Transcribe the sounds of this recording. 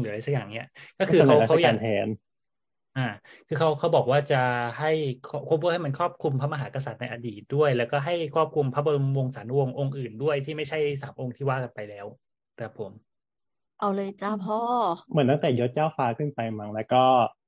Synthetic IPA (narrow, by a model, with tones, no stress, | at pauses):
la˧sa˦˥kjaː˨˩ŋni˦˥ɐkɔː˥˩kʰɯ˧˨a˨˦˥ka˦˥wja˨˧˨nt̪ʰɛː˧˥n | ʔaː˧˩ | kʰɯː˧kʰa˦˥wkʰa˦˥wbɔː˨˩k̚waː˥˩t͡ɕa˨˩ha˥˩jkʰɔ˥˩kʰu˥˩pʰu˥˩˨ha˥˩ma˧nkʰɔː˥˩p̚kʰu˧mpʰa˧˦˥ma˧ɦaː˩˦ka˧sa˨˩t̪̚na˧jʔa˧diː˨˩t̪̚du˥˩əjlɛː˦˥wkɔː˥˩ɦa˥˩jkʰɔː˥˩p̚kʰu˧mpʰa˦˥bo˧wo˧ŋsaː˩˦n˧wo˧ŋʔo˧ŋʔɯː˨˩ndu˥˩əjt̪ʰiː˥˩ma˥˩jt͡ɕʰa˥˩jsaː˩˦mʔo˧ŋt̪ʰiː˥˩waː˥˩ka˧npa˧jlɛː˦˥w | kʰa˦˩pʰːo˩˦m | ʔa˧wlɤː˧jt͡ɕa˥˩pʰɔː˥˩mɯ˨˩˦nt̪a˥ŋt̪ɛː˨˩jo˦˥t̪̚t͡ɕaː˥˩wfaː˧kʰɯ˥˩npa˧jma˦ŋlɛː˦˥wkɔː˥˩